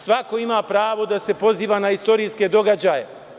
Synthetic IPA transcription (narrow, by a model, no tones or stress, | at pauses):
sʋako̞imaːpɾaːʋo̞d̪ase̞po̞ziːʋaːnaist̪o̞ɾiːske̞d̪o̞ɡad͡ʑaːje̞